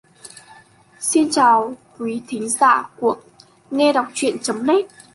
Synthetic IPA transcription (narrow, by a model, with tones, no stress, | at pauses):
si˧nt͡ɕaː˨˩wkwi˨˦t̪ʰï˨˦ŋ̟za̰ː˧˨ku˧˩ək̚ | ŋɛ˧ɗa˨˩wk͡p̚t͡ɕwḭ˧˨ənt͡ɕə˨˦mne˦˥t̚